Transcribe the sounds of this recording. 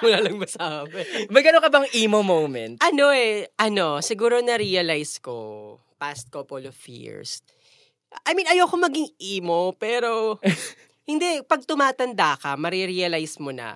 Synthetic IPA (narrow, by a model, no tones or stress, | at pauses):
mulalɐŋbɐsaɐbɛmɐɡɐnoŋkɐbɐŋʔiːmomowmɛnt̪̚ʔɐno̞ɛʔɐno̞sɪɡuːɾo̞nɐɾiɐlajsko̞̰ | past̪̚kopolofjḭɹs | ʔɐjminɐjowkomɐɡɪŋʔiːmopɛːɾo̞ | hɪnd̪ɛpɐɡ̚t̪ʊmaːt̪ɐnd̪akɐmɐɾiɾiɐlajsmonɐ̰